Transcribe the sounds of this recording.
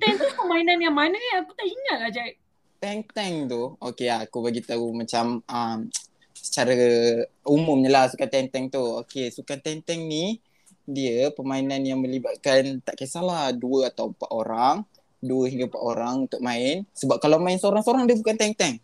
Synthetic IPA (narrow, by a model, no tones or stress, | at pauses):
t̪ɛŋt̪upəmainanjaŋmanəkaakut̪aʔiŋat̪̚lahd͡ʒa | t̪ɛŋt̪ɛŋt̪uokeakubaɡit̪aumat͡ʃaməm | sə̥t͡ʃaɾaəumumɲəlahsukant̪ɛŋt̪ɛŋt̪uokesukant̪ant̪ɛŋni | diəpəmainanjaŋməlibat̪̚kant̪aʔkasalahduəat̪awəmpaʔ̪oɾaŋ | duəɦiŋɡampa̰ʔ̪oɾaŋunt̪ʊk̚mãɪnsəbap̚kalawmaɪnsəoɾaŋsəoɾaŋdiəbukant̪ɛŋt̪ɛŋ